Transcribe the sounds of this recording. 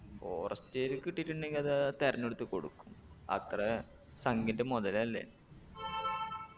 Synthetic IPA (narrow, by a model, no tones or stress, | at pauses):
oːrʔɐstːeɾukiʈːitːuɳɖe̞ŋɡilɐðɨt̪eɾɐɲːoɽut̪ːɨko̞̰ɽukːumɐ̰t̪rɐ | sɐŋɡindemoðɐlɐlːḛnɨ